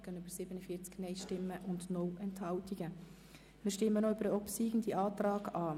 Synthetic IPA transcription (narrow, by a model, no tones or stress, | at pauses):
ɡ̥ənybəɾsɪbənəfiːt͡sknɛɪʃtɪmːəʔʊndnɔwʔɛnthɑltiɡ̥ə | mɪːʃtɪmːənɔyb̥əɾəɔpsiːɡn̩diʔɑːtrɑːɡɑː